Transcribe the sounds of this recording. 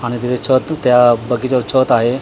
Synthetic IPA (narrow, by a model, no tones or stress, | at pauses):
aɽ̃it̪it̪ʰet͡ɕʰət̪t̪ːjabəɡit͡ɕet͡ɕʰət̪aɦe